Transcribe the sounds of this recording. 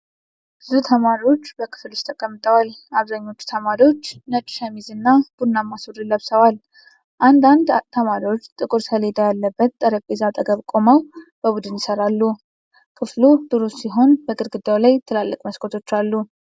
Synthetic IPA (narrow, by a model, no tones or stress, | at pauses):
b̥ɨzut̪ʰəmaɾio̞t͡ʃːbəkʰɨ̥flust̪ʰəkʼəmːɨt̪ʼəwalaβzaɲːo̞t͡ʃːu̥t̪ʰəmaɾio̞t͡ʃːnət͡ʃʼɪ̥ʃamizɨnːab̥unːamːasd̪ɨləβsəwal | ʔand̪and̪t̪ʰəmaɾio̞t͡ʃːt̪ʼɨkʼɨɾsəle̞d̪əjalːəbːət̪̚t̪ʼːəɾəpʼezat̪ʼəɡəβkʼoməwb̥əβud̪ɨnjɪsəɾalːu | kʰɨflud̪ɨɾussiɦo̞nbəɡɨɾɡɨd̪awlajt̪ʰɨlalːəkʼməskʼʰot̪ʰo̞t͡ʃːalːu